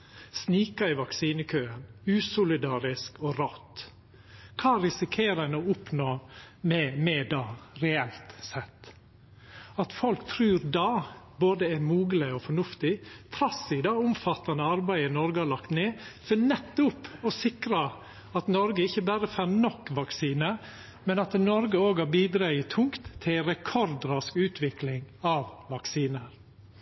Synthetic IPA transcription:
sniːkɑɪʋɑksiːnəkʰøːənʉːsʊlɪd̪ɑːɾɪskɔɾɔt̪ː | kʰɑːɾɪsɪkʰeːɾənoʊpnoːmɛmɛd̪ɑɾɛɛlt̪sɛt̪ː | ɑt̪fɔlkt̪ʰɾʉːɾd̪ɑ | boːd̪əæɾmuːɡəlɪɔfɔɳʉft̪ɪt̪ʰɾɑsɪd̪ɑʊmfɑt̪ːɑnəɑɾbæɪənɔɾɡəhɑɭɑkt̪neːfɔnɛt̪ːʊpɔsɪkɾɑ | ɑt̪nɔɾɡəɪçːəbæːɾəfænɔkːʋɑksiːnə | mɛnɑt̪nɔɾɡəoːɡɑbiːd̪ɾɑʏət̪ʰʊŋkt̪ʰːɪlɾɛkʰɔɾd̪ɾɑskʉːt̪ʰʋɪklɪŋɑʋʋɑksiːnəɾ

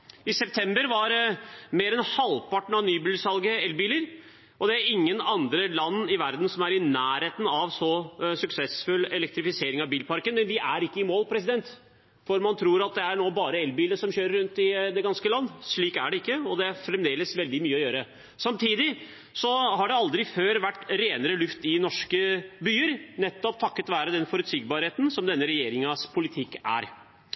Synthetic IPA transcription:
ɪsɛp̚t̪ʰɛmbəɾʋɑɾmeːɾɛnhɑlpɑʈːɳ̩ɑʋnyːbyːlsɑlɡəɛlbiːləɾ | ʔɔd̪ɛæɾɪŋːənɑnd̪ɾəlɑnːɪʋæɾd̪n̩sɔmæɾɪnæːɾheːt̪nɑʋsɔsʉksɛsfʉlɛlɛkt̪ɾɪfɪseːɾɪŋɑʋbiːlpɑɾkənmɛnʋɪʔæɾɪkːəɪmoːlpʰɾɛsɪd̪ɛnt̪ | fɔɾmɑnt̪ʰɾuːɾɑt̪̚d̪ɛæɳoːbɑːɾəɛlbiːləʂɔmçøːɾəɾʉnt̪ɪd̪ɛɡɑnskəlɑnːʂɭiːkæɖɛɪkːəɔd̪ɛæfɾɛmd̪eːləsʋɛld̪ɪmyːəɔjøːɾə | sɑmt̪ʰiːd̪ɪ | sɔɦɑɖɛɑld̪ɾɪføːɾʋæʈːɾeːnəɾəlʉft̪ɪnɔʂkəbyːəɾnɛt̪ːɔp̚t̪ʰɑkːət̪ʋæːɾəd̪ɛnfɔɾʉt̪siːɡbɑːɾheːt̪n̩sɔmd̪ɛnːəɾɛjeːɾɪŋɑspʰʊlɪt̪ʰɪkːæ̰ɾ

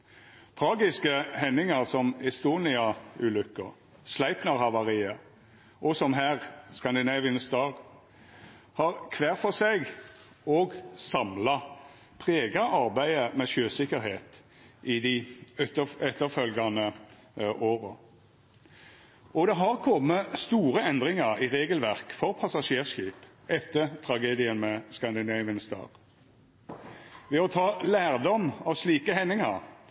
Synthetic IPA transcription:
t̪ʰʁɑːɡɪskəhɛnːɪŋɑʁsɔmɛst̪uːnɪɑʉːlʉkːəʁ | slæɪpnɑʁhɑʋɑʁiːə | ʔɔsɔmɦæːʁskɑnd̪ɪnɑːʋɪnst̪ɑːʁ | hɑʁkʰʋæːʁfɔʁseɡ | oːɡsɑmlɑ | pʰʁeːɡɑʔɑʁbæɪəmɛʃøːsɪkːəɾheːt̪ | ʔɪd̪ɪɛt̪əɛt̪ːəʁfœlɡɑnə | ʔoːʁə | ɔd̪ɛɦɑʁkʰɔmːəst̪uːʁəɛnd̪ʁɪŋɑʁɪʁeːɡəlʋæʁkfɔʁpʰɑsɑʂeːʁʃiːp | ʔɛt̪ːəʁt̪ʰʁɑɡeːd̪ɪənmɛskɑnd̪ɪnæɪʋənst̪ɑ̰ːʁ | ʋɛɔt̪ʰɑːlæːʁd̪ɔmɑʋsliːkəhɛnːɪŋɑʁ

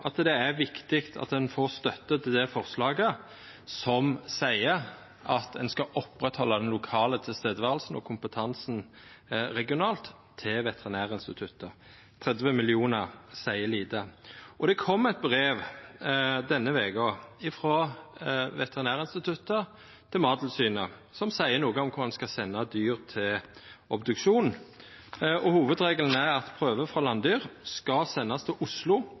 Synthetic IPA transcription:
ʔɑt̪d̪ɛæʋɪkt̪ɪkt̪ʰɑ̰t̪d̪ɛnfoɾst̪œt̪ːət̪d̪ɛfɔʁslɑːɡə | sɔmsæɪə | ʔɑt̪d̪ɛnskɑʔɔpɾɛt̪hɔlːɑd̪ɛnlʊkʰɑːlət̪ʰɪlst̪eːd̪əʋæːʁl̩sn̩ɔ̰kʰʊmpət̪ʰɑnsn̩ | ɾɛɡɪʊnɑːlt̪ʰː | ɪlʋɛt̪əʁɪnæːʁəɪnst̪ɪt̪ʰʉt̪ːə | t̪ʰʁɛd̪ʋəmɪlɪuːnəʁsæɪəliːd̪əʔɔd̪ɛkʰɔmːɛt̪̚bʁeːʋ | d̪ɛnːəʋɛːɡɔɪfʁoː | ʋɛt̪ɛʁɪnæːʁəɪnst̪ɪt̪ʰʉt̪ːə | t̪ʰɪlmɑːd̪l̩syːnə | sɔmsæɪənuːɡəɔmkʰʊmɑnskɑsɛnːɑd̪yːʁt̪ʰɪlɔbd̪ʉkʃuːn | ʔɔhuːʋəd̪ʁeːɡəln̩æɑt̪pʰʁøːʋəfʁɑlɑnd̪yːʁskɑsɛnːɑst̪ʰɪʔʊslʊ

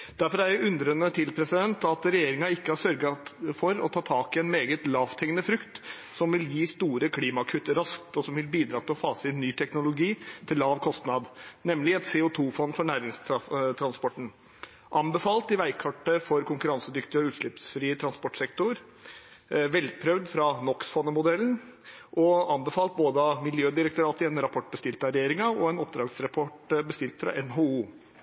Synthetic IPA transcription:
d̪̥æɾfɔɾæɾjʊʉnd̪ɾənət̪ʰɪlpʰɾɛsɪd̪ɛnt̪ɑt̪ɾɛjeːɾɪŋɑɪkːəhɑsœɾɡɑfɔɾɔ̰t̪ʰɑːt̪ʰɑːkɪɛnmeːɡət̪lɑːʋt̪ʰɛŋənəfɾʉkt̪ | sɔmʋɪljiːst̪uːɾəkʰliːmɑkʰʉt̪ːəɾɑsk̚t̪ɔsɔmʋɪlbiːd̪ɾɑːt̪ʰɪlɔfɑːsɪnyːt̪ʰɛknʊlʊɡiːt̪ʰɪllːɑːʋkʰɔst̪nɑd̪nɛmlɪɛt̪seːʊt̪ʰuːfɔnːfɔɳæːɾɪŋst̪ʰɾɑnspɔʈɳ̩ | ʔɑnbəfɑːlt̪ɪʋæɪkʰɑʈːəfɔɾkʊŋkʉɾɑnsəd̪ʏkt̪ɪɔʉːt̪ʂɭɪpsfɾiːət̪ʰɾɑnspɔʈsɛkt̪ʊɾ | ʋɛlpʰɾœʋd̪fɾɑnɔksfɔnːəmʊd̪ɛlːən | ʔɔɑnbəfɑːlt̪̚boːd̪əɑmɪljøːd̪ɪɾək̚t̪ʊɾɑːt̪əɛnɾɑpʰɔʈ̚ːbəst̪ɪlt̪əɑɾɛeːɾɪŋɑɔɛnɔpd̪ɾɑːɡsɾɑpʰɔʈbəst̪ɪlt̪fɾɑ̰ʔɛnɦouː

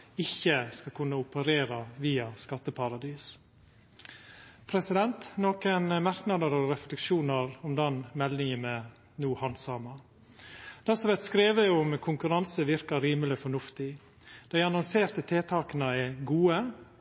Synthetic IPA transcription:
ɪçːəskɑlkʰʉnːəʊpəɾeːɾɑʋiːɑskɑt̪ːəpʰɑɾɑd̪iːs | pʰɾɛsɪd̪ɛnt̪noːkənmɑɾknɑd̪əɾɔɾɛflɛkʃuːnəɾɔmd̪ɛnmɛlnɪŋəmɛ | nuːhɑnsɑmɑ | d̪̥ɑsɔʋɛt̪skɾeːʋəʊmkʰʊŋkʉɾɑnsəʋɪɾkɑɾiːməlɪfɔɳʉft̪ɪ | d̪̥æɪɑnɔnseːɾt̪ət̪ʰeːt̪ʰɑːkənɑɛɡuːə

